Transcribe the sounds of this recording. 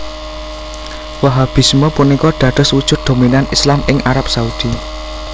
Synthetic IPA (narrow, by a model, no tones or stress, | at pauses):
waɦab̥i̤smɔpunikɔd̪̥ä̤ɖ̪̥ʊ̤swud̥ʒ̥ʊ̤t̪̚d̪̥o̤minanislamɪŋʔaɾap̚saud̪̥i